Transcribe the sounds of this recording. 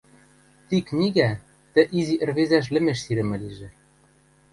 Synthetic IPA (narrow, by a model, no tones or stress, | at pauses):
t̪iknʲiɣæ | t̪ɘ̆ʔiziʔɘ̆rβezæʃ̬lɘ̆meʃsiɾɘ̆mɘ̆liʒɘ̆